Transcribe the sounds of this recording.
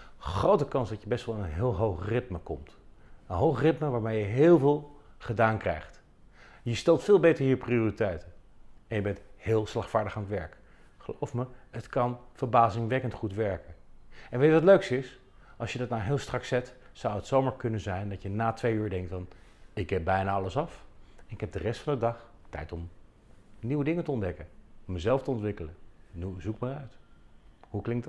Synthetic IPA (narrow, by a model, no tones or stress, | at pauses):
χrowtəkɑnsdɑtjəbɛstʋɛlˠɪnənɦɪːlˠɦowχrɪtməkɔmtənɦowχrɪtməʋaːɹmejəɦɪːlˠvɪːlˠχədaːnkrɛ̰jχt | jəstɛlˠtfɪːlˠbejtəɹɦiːɹprioːritɛjtənɛnjəbɛnthɪːlˠslɑχtfaːɹdəχaːnətʋɛɹk | χəlo̰wfməɦətkɑnfəɹbaːzɪŋʋɛkəntχutʋɛɹkənɛnʋejtʋɑtløɥksɪs | ʔɑlˠsjədɑtnawɦɪːlˠstrɑksɛt | sawətsowmaːɹkɵnənzɛjndɑtjənaːtʋejyːɹdɛŋktfɑnɪɡɛp̚bɛjnaːɑləsɑfɛnɪkɦɛb̚dərɛstfɑndədɑχ | tɛ̰jtɔm | niwədɪŋətəɔndɛkənɔmːəzɛlˠftəɔntʋɪkələnniwəzukməœɥt | huklɪŋk̚t